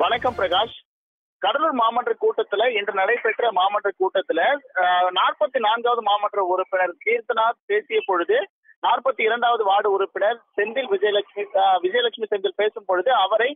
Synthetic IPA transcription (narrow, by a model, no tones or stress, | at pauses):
ʋɐnɐkːɐmpɪɾɐɣaːʂ | kɐɽɐlɯɭmaːmɐʈrɐkːuːʈːɐt̪ːɪlɐɛndrɐnɐɽɐɪpɛʈrɐmaːmɐʈːrɐkːuːʈːɐt̪ːɪlɐnaːrpɐt̪ːinaːnɡaːʋɐðɯmaːmɐʈrɐʊɾʊpːɪnɐɾkiːɾt̪ɐnaːɾpeːsɪjɐpɔɻɯðɯ | naːrpɐt̪ːiɪɾɐɳɖaːʋɐðɯʋaːɽɯʊɾɯpːɪnɐɾsɛnd̪ɪlʋɪd͡ʒɐjɐlɐkʂmiʋɪd͡ʒɐjɐlɐkʂmisɛnd̪ɪlpeːsɯmpɔɻɯðɯɐʋɐɾɐɪ